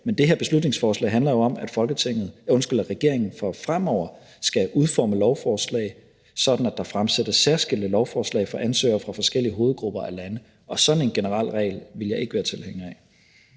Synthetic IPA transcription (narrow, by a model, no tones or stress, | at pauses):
mend̥e̝ɦeɐb̥e̝slud̥ⁿne̝ŋsfɒːslɛ̰ɪɦænlɐjo̝ɒ̽mæd̥fɒ̽lɡ̥ət͡sʰe̝ŋ̰ð̞̩ˠɔ̽nsɡ̥ylæʁɛɡ̥e̝ɐ̰e̝ŋn̩fɒ̽fʁamɒʊ̰ɐ | sɡ̥æʔuð̞ˠfɒ̰ːməlɒʊfɒːslɛ̰ɪ | sɒ̽d̥n̩æd̥ɑ̈fʁamsed̥ɐssæɐsɡ̥el̰d̥əlɒʊfɒːslɛ̰ɪfɒ̽ʔænsø̰ːɐfʁɑ̈fɒ̽sɡ̥el̰iəɦo̝ːð̩ˠɡ̥ʁub̥ɐʔælænə | ʔɒ̽sɒ̽d̥n̩e̝nɡ̥e̝nəʁɑ̈l̰ʁɛ̰ɪlʋe̝ljɑ̈ɪe̝ɡ̥əʋæːɐt͡sʰe̝lheŋ̰ɛ